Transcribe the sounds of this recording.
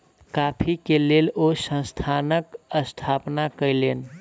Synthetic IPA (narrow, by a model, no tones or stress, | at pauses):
kapʰikelelosə̃st̪ʰanəkəst̪ʰapnakəjlen